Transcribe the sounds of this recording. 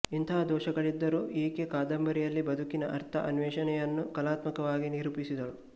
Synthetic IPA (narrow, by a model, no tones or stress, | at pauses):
int̪ʰɐɦɐd̪ɔːʃɐɡɐɭid̪ːɐɾuʔiːkekaːd̪ɐmbɐɾijɐlːibɐd̪ʱukinɐʔɐ̰ɾt̪ʰɐ̰ʔɐ̰nʋɛːʃɐnɛjɐnːukɐlaːt̪mɐkɐʋaːɡiniɾupisid̪ɐlu